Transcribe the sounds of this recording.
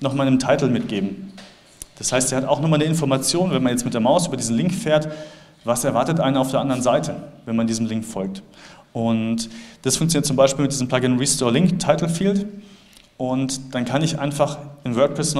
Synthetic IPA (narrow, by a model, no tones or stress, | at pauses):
nɔχmaɪnəmtʰaɪtl̩mɪt̚ɡ̥eːbm̩ | d̥ashaɪstz̥iːhataʊxnɔχmaːlnəɪnfɔɐmat͡sjoːnvɛnmanjɛt͡stmɪtd̥eːɐmaʊsʔyːbɐdiːzn̩lɪŋkfeːɐt | vasɛɐvaɐtətʔa̰ɪnənaʊfdeːɐʔandɐʁənzaɪtʰəvɛnmandiːzəm̩lɪŋkfɔlk̚tʔʊntd̥asfʊŋkt͡sjoniːt̚t͡sʊmbaɪʃpiːlmɪtdiːzəm̩pl̥aɡɪnʁiːstɔːɐlɪŋktʰːaɪtl̩fiːlt | ʔʊntd̥ankʰanɪçʔa̰ɪnfaχɪnvœɐk̚pʰʁ̥ɛsn